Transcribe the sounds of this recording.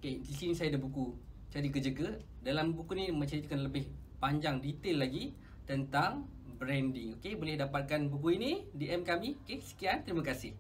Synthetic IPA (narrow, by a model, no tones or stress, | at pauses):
okedisinisajadabukut͡ʃadikəd͡ʒəɡə | dalambukunimə̃ɲt͡ʃadit̪̚kanləbɪh | paɲd͡ʒaŋdit̪elːaɡi | t̪ənt̪aŋ | bɾɛndiŋokebolɛhdapat̪̚kanbuk̬uinidiʔɛmkamĩokesə̥kiant̪ɾimãkasɪh